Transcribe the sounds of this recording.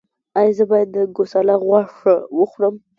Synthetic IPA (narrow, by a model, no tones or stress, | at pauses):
ɑjɑzəbɑjad̪ːəɡosalaɣwɑʂəwəxwɽəm